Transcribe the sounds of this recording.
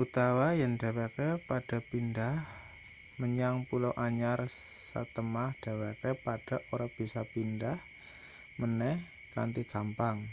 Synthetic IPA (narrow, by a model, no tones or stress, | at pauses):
ʔut̪awajaŋd̥awekepad̥a̤pindah | məɲaŋpulowʔaɲarsə̰t̪əmahd̥a̤wakɛpad̥a̤ʔoɾab̥isapindah | mənɛh | ka̰nt̪iɡ̥ampaŋ